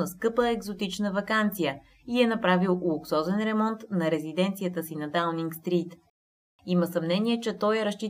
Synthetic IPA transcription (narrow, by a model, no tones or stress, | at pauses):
əskɤpəɛɡzot̪it͡ʃnəvɐkant̪sijə | iɛnɐpɾavilˠlˠʊksɔzɛnɾɛmɔnt̪nɐɾɛzid̪ɛnt̪sijət̪əsinɐd̪alniŋkst̪ɾit̪ | iməsɐmnɛniɛt͡ʃɛt̪ɔjɛɾɐʃt͡ʃi